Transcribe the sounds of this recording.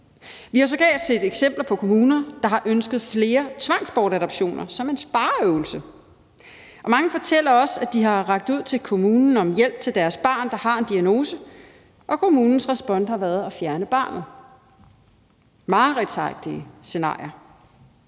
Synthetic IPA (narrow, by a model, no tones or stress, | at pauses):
ʋihɑ̈s̬ɒ̽ɡ̥ɛ̰ːd̥sed̥eɡ̥sem̰b̥lɐpʰɒ̽kʰo̝muːnɐd̥ɑ̈ɦɑ̈ʔønsɡ̥ð̞̩ˠfle̝ːɐt͡sʰʋɑ̈ŋ̰sb̥ɒːɾæɾɒb̥ɕo̝̰ːnɐsɒ̽me̝nsb̥ɑ̈ːøʊl̩sə | ʔɒ̽mɑ̈ŋəfɒ̽t͡sʰel̰ɐɒ̽sæd̥iɦɑ̈ʁɑ̈ɡ̥̚d̥uð̞̰ˠt͡sʰe̝lkʰo̝muːnn̩ɒ̽mjel̰b̥̚t͡sʰe̝ld̥æɐsb̥ɑ̈ːnd̥ɑ̈hɑ̈e̝nd̥iæno̝ːsə | ʔɒ̽kʰo̝muːnn̩sʁɛsb̥ɒ̽nhɑ̈ʋæɐð̞̩ˠæfjæɐnəb̥ɑ̰̈ːnð̩ˠ | mɑ̈ːʁɛd̥sɑɡ̥̚d̥iəse̝nɑ̰̈ːɪɐ